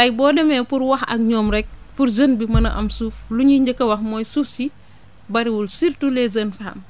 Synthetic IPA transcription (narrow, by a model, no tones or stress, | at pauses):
lɐjbɔːdɛmɛpuɾwɐxɐ̰k̚ɲɔːmɾɛk̚furzənbimɐnɐ̰ʔɐmsuːfluɲiɲɟəkːɐwɐxmɔːjsuːfsi | bɐɾiwulsirtulɛzənfam